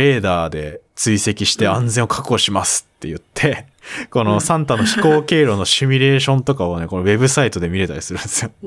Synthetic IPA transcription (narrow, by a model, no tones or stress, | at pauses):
e̞ːd̪aːd̪e̞t͡sɨise̞kʲiɕi̥t̪e̞ãnd͡zẽ̞ɰokʰḁkɯoɕimasɨ̥t̪ːe̞̰jɯ̟t̪ʰːe̞ | ko̞no̞sãnt̪ano̞çi̥ko̞ːke̞ːɾo̞no̞ɕimʲiɾe̞ːɕõnt̪o̞kaβane̞ko̞no̞βe̞bɯ̟sait̪o̞d̪e̞mʲiɾe̞t̪a̰ɾʲisɨɾɯ̟̃nd̪esɨjo